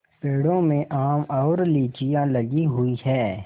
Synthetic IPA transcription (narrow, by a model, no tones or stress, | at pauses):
peːɽõmẽʔaːmɔːɾliːt͡ʃijãləɡiɦʊihɛː